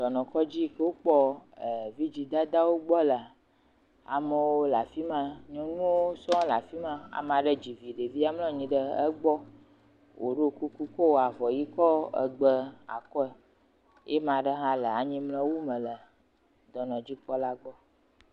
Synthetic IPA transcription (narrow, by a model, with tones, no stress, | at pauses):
d̪ɔ˨nɔ̃˨kɔ˦d͡ʑi˦kə˦wo˦k͡pɔ˦ə˨vi˦d͡ʑi˨d̪a˦d̪a˦wo˦ɡ͡bɔ˦lə˨ | a̰˨mə˨wo˦la˨fi˦mã˦ɲɔ̃˦nũ˦wo˦sɔ̃˦la̰˨fi˦mã˦a̰˨m˨ã˨ɖə˦d͡ʑi˨vi˨ɖe˨vi˦a˦mlɔ̃˦ɲĩ˨ɖə˦ə̰˦ɡ͡bɔ˦ | wʔo̰˨ɖe˦˨ku˦ku˦kɔ˦wo˨a˨vɔ˨ji˦kɔ˦ə̰˨ɡ͡bə˦a̰˨kɔ˦ɛ˨ | jɛ˦mã˨ɖə˦ɦã˦lə˨a˨ɲĩ˦mlə̃˦wu˦mə̃˨lə˨ | d̪ɔ˨nɔ̃˨d͡ʑi˦k͡pɔ˦la˦ɡ͡bɔ˦